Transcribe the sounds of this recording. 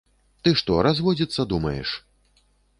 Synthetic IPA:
t̪ɨʂt̪ɔɾazvɔd͡zʲit̪sːɐd̪umɐjɛ̰ʂ

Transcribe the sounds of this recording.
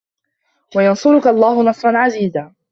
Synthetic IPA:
wajɑnsʊɾʊkaʔɑlˤːɑːhʊnɑsˤɾˤɑnʕaziːzaː

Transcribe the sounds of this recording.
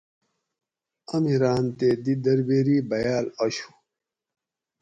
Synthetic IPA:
ɐmiɾaːnt̪ed̪id̪ɐɾbeːɾiːbɐjaːlɐɕu̥

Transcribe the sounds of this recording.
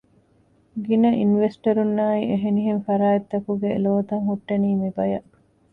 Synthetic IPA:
ɡinɐʔinʋesʈɐɾunːaːiʔeɦeniɦenfɐɾaːet̪ːɐkuɡeloːt̪ɐŋɦuʈːɐniːmibɐjɐʔ

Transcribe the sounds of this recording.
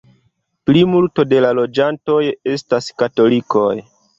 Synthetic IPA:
plimulto̞de̞lalo̞d͡ʒanto̞je̞staskato̞liko̞̰j

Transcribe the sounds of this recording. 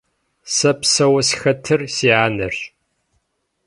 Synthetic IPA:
sɐpsɐwɐsxɐtʰɨrsiʕaːnɨr

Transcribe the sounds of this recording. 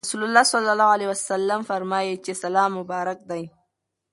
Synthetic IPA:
suːlʊlːaːsɔlːɐlːaːhalewɐsɐlːɐmfɐɾmaːjet͡ʃesɐlaːmʊbaːɾɐk̚d̪aj

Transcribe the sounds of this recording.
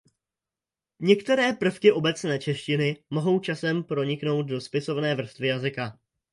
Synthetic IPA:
ɲɛkt̪ɛɾɛːpr̩fkɪʔo̞bɛt͡snɛːt͡ʃɛʃcɪnɪmo̞ɦo̞wt͡ʃasɛmpɾo̞ɲɪkno̞wt̪̚do̞spɪso̞vnɛːvr̩st̪vɪjazɪka

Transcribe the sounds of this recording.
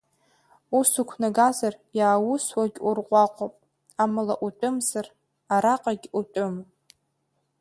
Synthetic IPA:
usukʷʰnaɡazarjaːwʊswaɡʲurqʷʼɑqʷʼopʼ | amɨlaʔutʼʊmzar | aɾaqʼaɡʲutʼʊm

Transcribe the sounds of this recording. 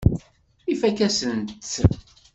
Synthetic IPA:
ifækæsənt̪

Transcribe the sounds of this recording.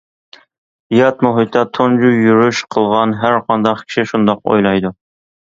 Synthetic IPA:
jɑt̪moɦit̪ʰɑt̪ʰond͡ʒujyɾyʃqʰəlˠʁɑnɦæɾqʰɑnd̪ɑqkʲʰi̥ʃiʃund̪ɑqo̰jlˠɑjd̪u

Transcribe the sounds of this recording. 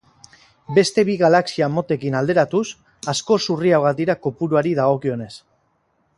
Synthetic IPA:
be̞st̪e̞βiɣalaksiamo̞t̪e̞kinald̪e̞ɾat̪us | asko̞suriawɣad̪iɾako̞puɾuaɾiðaɣ̞o̞kio̞ne̞s

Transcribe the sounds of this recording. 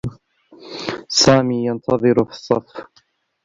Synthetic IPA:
saːmiːjɑnt̪ʰɑðˤɨɾʊfi̥sˤːɑf

